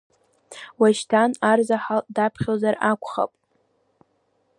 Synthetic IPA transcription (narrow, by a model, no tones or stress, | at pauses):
waʃtʰanarzaħadapʰχʲozarakʷʰʼχa̰pʼ